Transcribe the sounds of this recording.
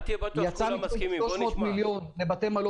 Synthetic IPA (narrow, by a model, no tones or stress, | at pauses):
jat͡samiteloʃmo̞ːt̪miljo̞nlebat̪emalo